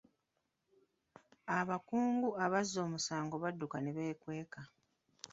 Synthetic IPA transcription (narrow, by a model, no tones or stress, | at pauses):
aβakuːŋɡuaβazːo̞ːmusaːŋɡo̞βadːukaneβe̞ːkwe̞ːka